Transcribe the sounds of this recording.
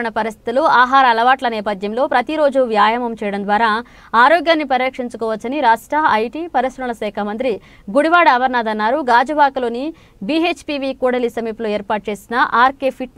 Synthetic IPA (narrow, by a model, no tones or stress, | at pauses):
ɐɳɐpɐɾist̪ʰi̥t̪uluaːɦaːɾɐːlɐʋaːʈlɐnɛːpɐd̪ʱjɐmlo̞ːpɾɐt̪iɾo̞ːd͡ʒuʋjaːjɐmɐmt͡ʃɛːjɐɽɐnd̪ʋaːɾaː | aːɾoːɡjaːnːipɐɾjɐkʂiɲt͡ʃukɔːʋɐt͡ʃːɐniɾaːʂʈɾɐɐjʈiːpɐɾɐsɾɐɐlɐsɛːkʰɐmɐnt̪̬ɾi | ɡuɽiʋaːɽɐːʋɐɾnaːd̪ɐnːaːɾuɡaːd͡ʒɐbaːkɐlo̞ːni | biet͡ʃpiʋikuːɽɐlisɐmiːploːeːɾpaːʈ̚t͡ʃe̞ːsinɐʔaːɾkeːpʰiʈ̚